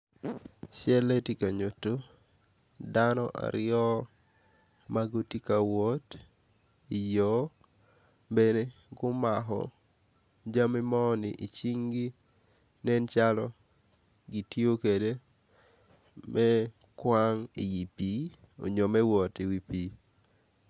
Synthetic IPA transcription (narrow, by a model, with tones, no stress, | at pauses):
ʃɛ˦le˦ti˨ka˨ɲo˨to˦ | danɔʔa̰˨ɾɪɔ˦ | maɡo˦ti˦ka˨wo˦t | i˨jɔ | be˨ne˦ | ɡʊ˦maɦɔ̰˨ | d͡ʒa˦mɪ˦mɔ˦nɪʔi˨t͡ʃi˦ŋɡi˦ | nɛ˦nt͡ʃalɔ | ɡi˨tjio˦ke˨de˦ | mʔɛ˦ | kwaŋi˨ji˨pi˦ | o̰˨ɲo˨mɛ˦wɔ˨ti˨wi˨pi˨